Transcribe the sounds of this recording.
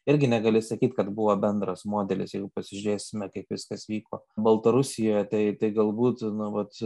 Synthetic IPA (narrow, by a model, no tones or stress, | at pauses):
ɪɾʲɡʲɪnʲɛɡɐlʲɪsɐkʲiːt̪ʲkɐt̪bʊʋoːbʲɛnd̪ɾɐsmoːd̪ʲɛlʲɪ̰sjɛɪɡʊpɐsʲɪʒʲɾʲeːsʲɪmʲɛkɐɪpʋʲɪskɐsʋʲiːko̰ːbɐlˠt̪ɐɾʊsʲɪjoːjɛt̪ɐɪt̪ɐɪɡɐlˠbuːt̪nʊʋɐt̪